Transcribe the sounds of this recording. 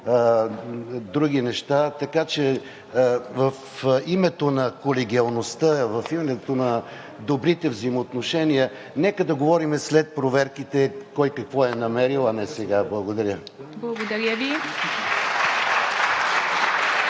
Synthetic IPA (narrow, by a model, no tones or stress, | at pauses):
d̪ɾuɡ̟inɛʃt̪at̪ɐkat͡ʃɛ | vɐf | imɛt̪onɐkolɛɡ̟ʲiɐlˠnost̪əvɐfimɛɛt̪onɐ | d̪obɾit̪ɛvzəjmoːt̪noʃɛnijə | nɛkəd̪ɐɡovɔɾimɛslɛt̪̚pɾovɛɾkit̪ɛkɔjkɐkvɔɛnɐmɛɾilˠɐnɛsɛɡablˠɐɡod̪ɐɾʲə | blˠɐɡod̪ɐɾʲjəvi